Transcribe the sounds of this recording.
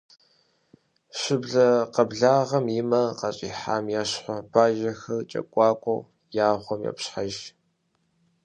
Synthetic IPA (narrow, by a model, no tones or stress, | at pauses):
ɕɪbɮɐqɐbɮaːʁɐmimɐqɐɕʼiːħaːmjaːɕħʷɔb̥aːʒɐxɐrt͡ʃʼɐ̰kʷʼɑːkʷʼɔ̰w | jaːχʷɔmjɛ̰pɕħaʒ